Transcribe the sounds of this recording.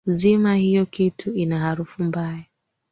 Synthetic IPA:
zimahijɔkitʰuinahaɾufumbaja

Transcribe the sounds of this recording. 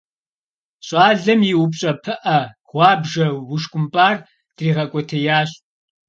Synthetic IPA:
ɕʼɑːɮɐmjiwʊpɕʼɐpʰɨʔɐ | ʁʷɑːbʒɐwʊʃkʷʼʊmpʼaːr | d̥riːʁɐkʷʼɔtʰɐjaːɕ

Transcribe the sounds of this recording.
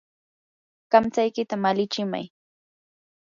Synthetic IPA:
kamt͡sajkɪt̪amalɪt͡ʃɪma̰j

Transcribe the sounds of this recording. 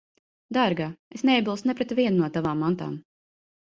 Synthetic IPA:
d̪aɾɡaesneɛbilˠsnɛpɾɛt̪vʲiɛnnuɔt̪avaːmːant̪a̰ːm

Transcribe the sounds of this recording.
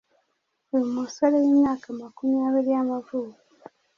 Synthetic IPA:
elimusalejemjaːkamakumijaːβiɾiamavuku

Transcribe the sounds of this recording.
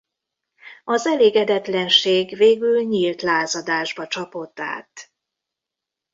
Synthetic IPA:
ɒzɛleːɡɛd̪ɛt̪lɛnʃeːɡveːɡylɲiːlt̪laːzɒd̪aːʒbɒt͡ʃɒpo̞t̪ːa̰ːt̪

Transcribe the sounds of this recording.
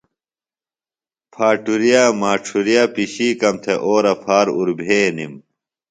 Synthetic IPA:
pʰaːʈuɾijaːmaːʈ͡ʂʰuɾijaːpiɕiːkɐmt̪ʰeʔoːɾɐpʰaːɾuɾbʱeːnḭm

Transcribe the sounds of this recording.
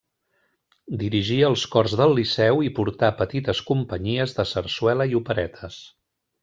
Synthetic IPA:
d̪iɾiʒiəlˠskɔrzðəlˠːisɛwipuɾt̪apət̪it̪əskumpəɲiəzðəsəɾswɛləiupəɾɛt̪ʰəs

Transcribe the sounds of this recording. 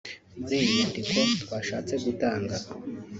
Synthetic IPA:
ziːnandikʰo̞twaːʃaːt͡se̞ɡutaːŋɡa

